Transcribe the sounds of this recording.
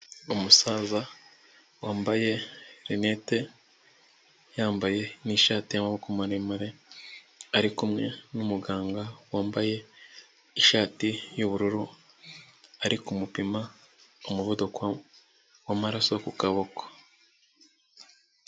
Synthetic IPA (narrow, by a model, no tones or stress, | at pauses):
omusaːza | waːmbaje̞ɾine̞ːte̞ | jaːmbaje̞niːʃaːtijamaβokumaɾemaɾe | aɾikumŋe̞numuɡaːŋɡawaːmbaje̞ | iʃaːtijuβuɾuɾu | aɾikumupima | omuvodokwa | wamaɾaso̞kukaβo̞ko̥